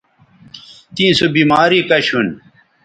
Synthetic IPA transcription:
t̪ĩːsobiːmaːɾiːkɐɕun

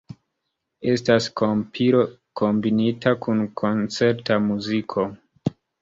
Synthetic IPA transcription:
e̞staskopʰiɾo | kʰo̞mbinitakunkʰo̞nt͡se̞ɾtamuzikʰo̞

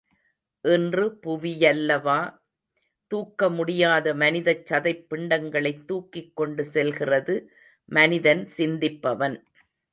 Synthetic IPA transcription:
ʔɛndrɯpʊʋɪjɐlːɐʋaː | t̪uːkːɐmʊɽɪjaːðɐmɐnɪðɐt͡ʃːɐðɐɪpːɪɳɖɐŋɡɐɭɐɪt̪ːuːkːɪkːɔɳɖɯsɛlɣɪrɐðɯ | mɐnɪðɐnsɪnd̪ɪpːɐʋɐn

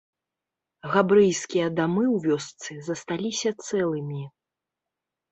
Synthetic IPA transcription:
ɣabɾɨjskʲijɐd̪amɨwvʲɔst̪sɨzɐst̪alʲisʲɐt̪sɛlˠɨmʲi

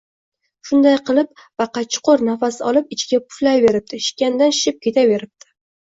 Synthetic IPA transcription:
ʃʊnd̪ajqɨlˠɪp̚bɑqɑt͡ʃʰʊ̥qoɾnafasɪɒlˠɪpɪt͡ʃʰɪɡʲapʰʊ̥flajve̞ɾɪp̚t̪ʰɪʃɪ̥kʲand̪anʃʃɪp̚kʲʰe̞t̪ʰave̞ɾɪp̚t̪ʰɪ̥

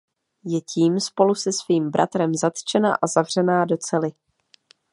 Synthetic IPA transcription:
jɛciːmspo̞lusɛsviːmbɾʔa̰t̪ɾɛmzat̪t͡ʃɛna̰ʔazavr̝̥ɛnaːdo̞t͡sɛlɪ

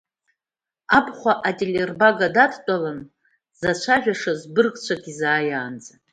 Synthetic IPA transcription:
apʰʼχʷaʔatʼelerbaɡadadʰtʼalan | z̥at͡ʃʷʰaʒᶣaʂazbɨrkʼt͡ɕʷʰaɡʲizaːjaːnd͡za

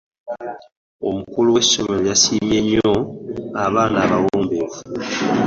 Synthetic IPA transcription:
o̞̰mukuluweso̞melojasiːmje̞ɲːo̞aβaːnaːβawoːmbe̞ːvu

